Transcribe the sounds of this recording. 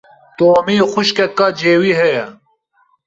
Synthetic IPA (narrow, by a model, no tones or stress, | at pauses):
t̪oːmiːxʊʃkɛkːɑːd͡ʒeːwiːɦɛjɛ